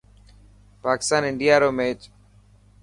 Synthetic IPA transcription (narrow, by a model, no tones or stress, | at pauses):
paːkɪ̥st̪aːnɪɳɖijaːɾoːmet͡ʃ